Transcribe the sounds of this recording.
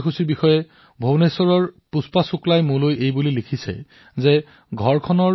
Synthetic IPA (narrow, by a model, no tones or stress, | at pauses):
xusiɹbixɔjɛ | bʱownesɔɹɔɹpuspasʊklajmʊ̃lojejbulilikʰisɛ̰ | zɛ | ɡʱɔɹkʰɔnɔ